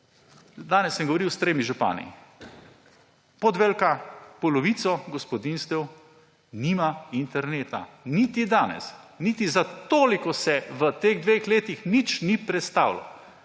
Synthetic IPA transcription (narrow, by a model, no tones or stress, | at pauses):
d̪aːnɛsːɛ̃mɡoɔʋoɾiwst̪ɾeːmiʒupa̰ːnḭ | pɔd̪ʋelkapɔlɔʋit̪sɔɡɔspɔd̪inst̪ɛw | niːmaint̪ɛɾneːt̪a̰nit̪id̪aːnɛ̰snit̪izat̪oːlikɔsɛʋət̪eːɣd̪ʋexleːt̪ixnit͡ʃnipɾɛt̪st̪aːwlɔ̰